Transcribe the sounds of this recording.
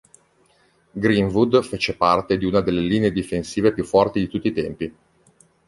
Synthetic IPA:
ɡɾiɱvud̪feːt͡ʃepart̪ed̪iunad̪elːeliːneed̪ifensiːvepjufːɔrt̪id̪it̪ut̪ːiːt̪ɛmpi

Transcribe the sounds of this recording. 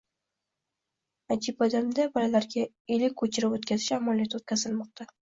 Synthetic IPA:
ad͡ʒɪbad̪amd̪abɒlalaɾɡʲa | elɪkʲʰːɵt͡ʃʰɪɾɪpot̪kʲazɪʃamalijat̪ot̪̚kʲazɪlmɒq̚t̪ʰa

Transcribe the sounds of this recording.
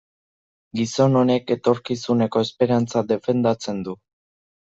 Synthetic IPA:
ɡiso̞no̞ne̞ke̞t̪o̞ɾkisune̞ko̞espe̞ɾant͡sad̪e̞fe̞nd̪at͡se̞nd̪u

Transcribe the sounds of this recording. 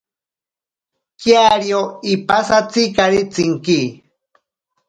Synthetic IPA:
kjaɾjoipasat͡sikaɾit͡siŋki

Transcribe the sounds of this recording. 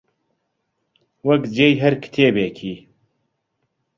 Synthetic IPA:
wɐkd͡ʒeːjɦɐɾkɨ̥t̪ʰeːbeːkʰiː

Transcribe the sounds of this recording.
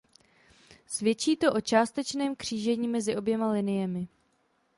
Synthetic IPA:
svjɛt͡ʃiːt̪o̞ʔo̞t͡ʃaːst̪ɛt͡ʃnɛːmkr̝̥iːʒɛɲiːmɛzɪʔo̞bjɛmalɪnɪjɛmɪ

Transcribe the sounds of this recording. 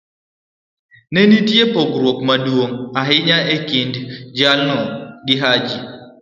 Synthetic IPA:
nenitiepɔɡɾwokmaduwoŋaɦiɲaekindd͡ʒalnɔɡiɦad͡ʒi

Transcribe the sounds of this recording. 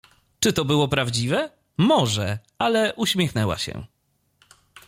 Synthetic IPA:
t͡ʂɘt̪ɔbɘwɔpɾavd͡ʑivɛ | mɔʐɛ | alɛʔuɕmʲjɛxnɛwa̰ɕɛ̰

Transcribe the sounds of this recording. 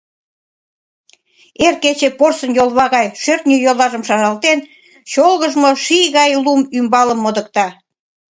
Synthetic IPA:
erket͡ɕeporsənjolˠβɑɣɑjʃørt̪nʲyjolˠɑʒəmʃɑʒɑlt̪en | ɕolɣəʒmoʃijɣɑjlumymbɑləmːod̪ə̆k̚t̪ɑ

